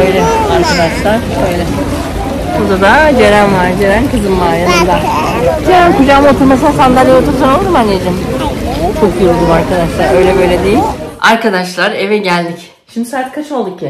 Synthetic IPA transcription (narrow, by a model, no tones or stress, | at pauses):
øjlʲɛaɾkad̪aʃlˠa | øjlʲɛ | buɾd̪ad̪ad͡ʒe̞ɾænvaɾd͡ʒeɾænkɯzɯnmaːjanɯnd̪a | d͡ʒeɾænkud͡ʒaːmɯot̪ʰɯɾmasɯnasand̪alʲjot̪ʰuɾsano̞lˠd̪umanːed͡ʒɛm | t͡ʃʰokjold̪ˠumaɾkad̪aʃlˠaɾø̞jlʲɛbø̞jlʲɛd̪ejilʲaɾkʰad̪aʃlˠaɾe̞vɛɟælʲd̪ic | ʃimd̪isaːt̪kʰat͡ʃʰo̞lˠd̪uk̚ʰːɪ